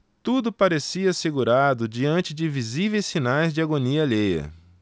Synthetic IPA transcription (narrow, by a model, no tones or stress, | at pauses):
t̪ud̪ʊpaɾesiɐseɡuɾad̪ʊd͡ʒiɐ̃nt͡ʃɪd͡ʒɪvizivejssinajzd͡ʒɪaɡoniɐʎejɐ̰